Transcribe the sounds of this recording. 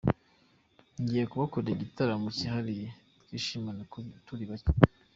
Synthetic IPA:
ɲɟijekuβakoɾiɟitaɾamuciɦaɾi | tkiʃimanatuɾiβaco̥

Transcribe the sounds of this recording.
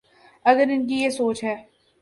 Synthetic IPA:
ɐɡəɾɪnk̬ijesoːt͡ʃɦɛː

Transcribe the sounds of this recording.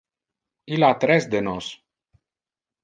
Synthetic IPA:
ilat̪ɾɛsd̪enos

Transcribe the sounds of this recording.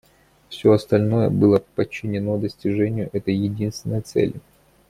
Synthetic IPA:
fsʲoɐst̪ɐlʲno̞jə̰bɨlˠəpət͡ɕːɪnʲɪno̞d̪əsʲtʲɪʐɛnʲɪjʊʔɛt̪əjjɪdʲinst̪vʲɪnːəjət̪sɛ̰lʲɪ

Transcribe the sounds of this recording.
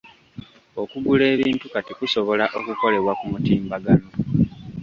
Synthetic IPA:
okuɡule̞ːβiːntukatikuso̞βo̞laʔo̞kuko̞le̞βwakumutiːmbaɡano̞

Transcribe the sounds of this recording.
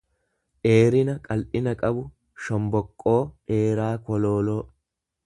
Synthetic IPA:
ʔe̞ːɾɪnɐkʼɐlʔɪnɐkʼɐbʊ | ʃɔmbɔkʼːo̞ːe̞ːɾaːkɔlo̞ːlo̞ː

